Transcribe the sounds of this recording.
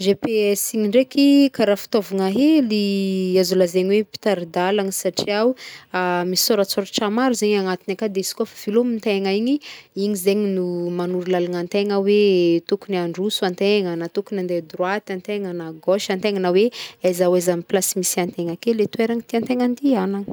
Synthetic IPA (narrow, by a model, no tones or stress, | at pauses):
ʒepeɛsiŋiɳɖ͡ʐekikaɾafi̥t̪ovuŋaɦeliazulazeɲiwepi̥t̪aɾid̪alaŋisaʈ͡ʂiawamisi̥soɾat͡soɾaʈ͡ʂamaɾuzeɲaŋat̪inakad̪eizi̥koafav̥ilomint̪eŋaiɲiiɲizeɲinumanuɾulalaŋant̪eŋawet̪ukuniaɳɖ͡ʐusuant̪eŋanat̪ukunand̪ed̪rwat̪ant̪eŋanaɡoʃant̪eŋanaweazawazamiplasimisiant̪eŋakelet̪ueɾaŋit̪iant̪eŋand̪ianaŋ